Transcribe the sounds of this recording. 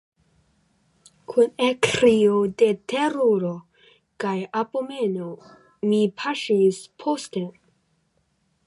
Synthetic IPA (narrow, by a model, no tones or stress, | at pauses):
kʰunekɾiodetʰeɾoɾo | kajapome̞no | mipʰaʃispʰoste